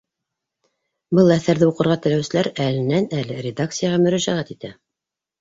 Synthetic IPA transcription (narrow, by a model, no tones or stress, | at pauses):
bɤlˠæθæɾðɘuqɤ̆ɾʁɑt̪ɘ̆læwsɘ̆læɾælɘ̆nænælɘɾʲɪd̪ak̚t̪sɨjaʁɑmɵ̆ɾæʒæʁæt̪it̪æ